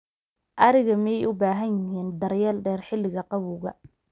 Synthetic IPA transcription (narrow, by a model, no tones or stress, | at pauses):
ʔɐɾɪɣɐmɐjɛjʔʊbaːɦɐnjɪɦiːnd̪ɐrjɛːlɖɛːrħɪlːɪɣɐqɑβʊːɣɐ̰